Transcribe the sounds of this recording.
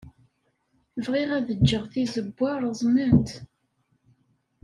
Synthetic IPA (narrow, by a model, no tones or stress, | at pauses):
vʁiʁæðəd͡ʒːəʁθizəbːɑɾˤzˤnənt̪